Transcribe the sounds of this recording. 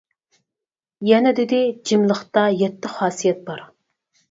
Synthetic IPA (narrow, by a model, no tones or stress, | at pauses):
jɛnɛd̪ɪd̪ɪd͡ʒimlˠəχt̪ɑjɛt̪ːɪχɑːsijɛt̪̚bɑɾ